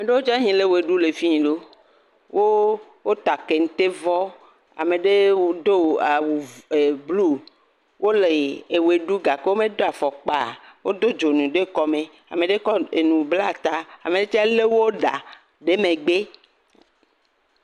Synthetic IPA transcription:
a˨me˨ɖe˦wo˦t͡ʃa˦ɦĩ˨le˦we˨ɖu˦le˨fi˦ɲĩ˨ɖo˦ | wʔo˦ | wo˦t̪a˨ke˨ŋ̩̃˨t̪e˦vɔ˦ | a̰˨mẽ˨ɖe˦wd̪o˦a˨wu˨e˨blu˦ | wʔo˦le˨e˨we˨ɖu˦ɡa˨ke˦wo˦mẽ˦d̪o˦a˨fɔ˨k͡pa˦˨wo˦d̪o˦d͡ʒo˨nũ˨ɖe˦kɔ˦me˨ | a̰˨mẽ˨ɖe˦kɔ˦e˨nũ˨bla˦t̪a˨a̰˨me˨ɖe˦t͡ʃa˦le˦wo˦ɖa˨ | ɖe˦mẽ˨ɡ͡be˦

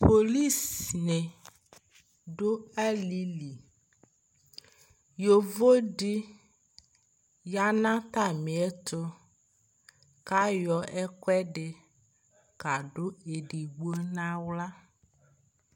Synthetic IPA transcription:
po˨li˦snẽ˨ | ɖo˦ɛ˦li˦li˨ | jo˨vo˦ɖi˦ | ja˦nã˦t̪a˦˨mĩ˨ɛ˦t̪o˦ | ka˦jɔ˨ʔɛ˦kɛ˦ɖe˨ | ka˨ɖo˦e˨ɖi˨ɡ͡bo˦nã˦wla˦

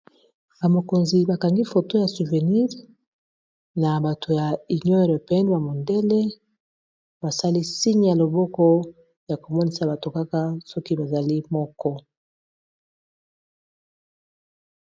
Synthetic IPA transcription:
ba˨mo˨ko˨nzi˨ba˨ka˨ŋɡi˦fo˨to˦ja˨su˨ve˨ni˦ʁ | na˨ba˨to˨ja˨i˨ɲɔ˦˨ɾe˨pɛ˦n˨ba˨mo˨nde˦le˦ | ba˨sa˦li˦si˦ɲ˦˨ja˨lo˨bɔ˦kɔ˦ | ja˨ko˨mɔ˦ni˦sa˨ba˨to˨ka˦ka˦sɔ˦ki˦ba˨za˨li˦mɔ˦kɔ˦

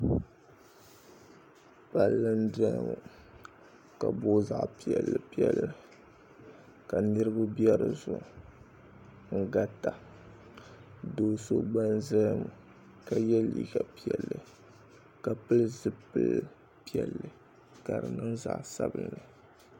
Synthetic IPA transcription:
pa˨lːɨ˦n˦dɛ˦˨mu˨ | ka˨bo˦za̰˨ʔpi˨ɛ˨lːɨ˨pi˦ɛ˦lːɨ˨ | ka˨nɨ˦ɾɨ˦ba˦bjɛ˦ɾɨ˨zʊ˨ʔ | ŋ̩˨ɡa˦ta˨ | do˨so˦ba˦nzɛ˦mu˨ | ka˨jɛ˦lḭː˨ɡa˨pi˦ɛ˨lːɨ˨ | ka˨pɨ˦lɨ˦zɨ˦pɨ˦l | pi˦ɛ˨lːɨ˨ | ka˨ɾɨ˨nɨ˦ŋza̰˨ʔsa˦bɨ̰˦nɨ˨

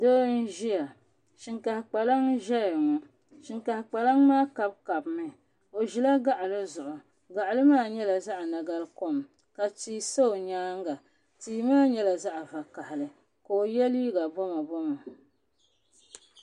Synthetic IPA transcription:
doː˦n̩˦ʒi˦ja˨ | ʃi˨ŋka˨hɪ˨k͡pa˨la˦ŋʒɛ˦˨ŋɔ˦ | ʃɪ˨ŋka˨hɪ˨k͡pa˨la˦ŋmaː˦ka˨b̚ka˨bmɨ˨ | o˨ʒi˨la˦ɡa˦ʔlɨ˦zʊ˨ʔʊ˨ | ɡa˨ʔa˨lɨ˦maː˦˨ɲɛ˦la˨za˦ʔna˨ɡa˦lko˦m | ka˨tiː˦so˦o˨ɲaː˦ŋɡa˨ | tiː˨maː˦ɲɛ˦la˨za˦ʔva˨ka˨hɪ˨lɨ˨ | ko˨o˨jɛ˦liː˦ɡa˨bɔ˦ma˨bɔ˦ma˨

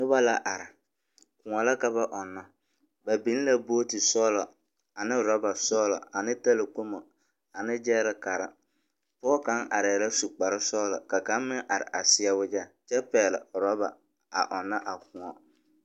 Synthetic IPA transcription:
nʊ˦ba˦la˦ʔa˨ɾɪ˨ | kʊ˨ŋɔ˨la˦ka˦ba˦ʔɔ˨nːɔ˦ | ba˨bi˨˦n˦la˦bo˦tɪ˨sɔː˦lɔ˨ | a˨nɪ˦ɾɔ˦ba˨sɔː˦lɔ̰˨a˨nɪ˦ta˦lɪ˨ko˦mo˨ | a˨nɪ˦d͡ʒɛː˦ɾɪ˦ka˨ɾɪ̰˦ | pɔː˦ka˦ŋa˨ɾɛː˨la˦su˨k͡pa˨ɾɪ˦sɔː˦lɔ̰˨ka˨ka˨˦mmɪ˦ŋʔa˨ɾɪ̰˨ʔa˨sɪ˦a˦wʊ˦d͡ʒa˦t͡ʃɛ˦pɛː˨lɪ̰˨ɾɔ˦ba̰˨ | a̰˨ʔɔ˨nːa˦ʔa˨kʊ˨ŋɔ˨

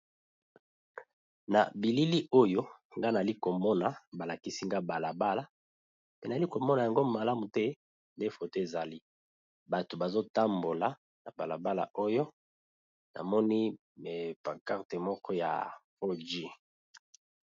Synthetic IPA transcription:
na̰˨bi˨li˦li˦ʔo˦jo˦ŋɡa˦na˨li˦ko˨mɔ˦na˨ba˨la˨ki˦si˦ŋɡa˦ba˨la˨ba˦la˨ | pe˨na˨li˦ko˨mɔ˦na˨ja˨ŋɡo˦ma˨la˦mu˨tɛ˦ | nde˦fo˨te˦e˨za˨li˦ | ba˨to˨ba˨zo˦ta˦mbo˨la˨ | na˨ba˨la̰˨ba˦la̰˨ʔo˦jo˦ | na̰˨mɔ˦ni˦˨ | pa˨ka˦ʁte˨mɔ˦kʰɔ˦ja̰˨fo˦d͡ʒi˦

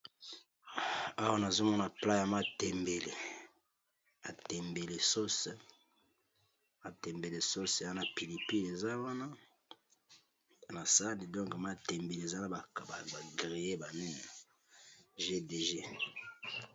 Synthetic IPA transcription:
a˦wa˦na˨zo˦mɔ˦na˨pla˦ja˨ma˦tɛ˨mbe˨le˨ | a˨tɛ˨mbe˨le˨so˦s | a˨tɛ˨mbe˨le˨so˦sa˦na˦pi˨li˨pi˦le˨za˦wa˦na˦˨ | na˨sa˦ni˨dɔ̃˦ŋka˨ma˦tɛ˨mbe˨le˨e˨za˦na˦ba˨ba˨ba˨ɡʁi˨je˦ba˨nɛ˦na˨ | ʒe˦de˨ʒe˦

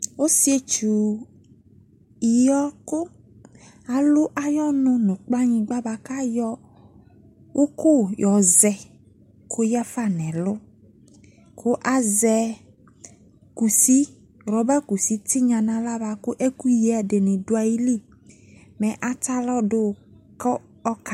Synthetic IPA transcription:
o˦si˦e˦t͡ʃu˨ | i˨jɔ˦kʊ˦ | a˨lʊ˦ʔa˨jɔ˦nʊ̃˦nʊ̃˨k͡pa˦ɲĩ˦ɡ͡ba˦ba˨ka˦jɔ˦ | wʔo˦kʊ˦jɔ˨zɛ˨ | kʰo˦ja˦fa˦˨nɛ̃˨lʊ˦ | kʰʊ˦ʔa˦zɛ˨ | ku˨si˦ | ɾɔ˨ba˦ku˨si˦tɪ˦ɲã˨nã˨la˦βa˨kʊ˦ʔɛ˦ku˦je˨a˨dɪ˨nɪ̃˨dʊ˦a˨ji˦li˦ | mɛ̃˨ʔa˦ta˦lɔ˦dʊ˦˨ | kɔ˦ | ɔ˦ka˨

